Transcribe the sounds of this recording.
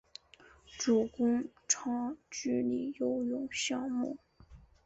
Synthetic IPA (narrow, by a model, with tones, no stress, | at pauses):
ʈ͡ʂu˨˩kʊ˥ŋ | ʈ͡ʂʰɑ˥ŋt͡ɕy˥li˨˩jo˧˥ʊjʊ˨˩ŋɕjɑ˥˧ŋmu˥˩